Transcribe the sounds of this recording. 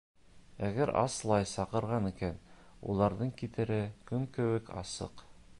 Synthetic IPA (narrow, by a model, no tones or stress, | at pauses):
æɡæɾʔɑ̰slˠɑjsɑqɤ̆ɾʁɑnikænṵlˠɑɾðɤɴkit̪ɘ̆ɾɘkɵmkɘ̆wɘkɑ̰sɤ̰q